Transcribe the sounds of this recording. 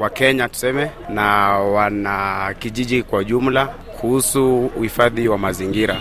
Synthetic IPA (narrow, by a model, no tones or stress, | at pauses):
wakɛɲatu̥sɛmɛnawanakiʄiʄikwauʄum̩la | kʰuhusuːhifaðiwamaziŋɡiɾa